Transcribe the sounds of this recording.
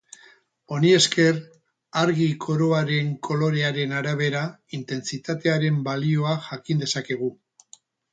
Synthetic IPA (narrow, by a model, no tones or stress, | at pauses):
o̞nie̞ske̞r | aɾɣikʰo̞ɾo̞aɾe̞ŋkʰo̞lo̞ɾe̞aɾe̞naɾaβ̞e̞ɾaint̪e̞nt͡sit̪at̪e̞aɾe̞mbalio̞axakind̪e̞sake̞ɣ̞u